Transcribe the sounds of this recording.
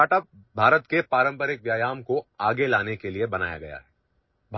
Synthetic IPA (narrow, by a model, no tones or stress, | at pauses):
aːʈəp̚ | bʱaːɾət̪kepaːɾə̃mpəɾɪkʋjaːjaːmkoaːɡelaːnekeliebɐna̰ːja̰ɡɐja̰ɦɛː | bʱ